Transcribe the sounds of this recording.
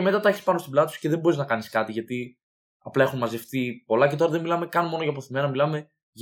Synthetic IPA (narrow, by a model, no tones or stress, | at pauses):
eme̞t̪ɐt̪ɐeçispɐnost̪oblɐt̪usce̞ðembo̞ɾiznɐkɐniskɐt̪iʝɐt̪i | ɐplɐe̞xummɐze̞fθipo̞lɐce̞t̪o̞ɾɐðemilɐme̞kɐnmo̞noʝɐp̬oθime̞nɐmilɐme̞ | ʝ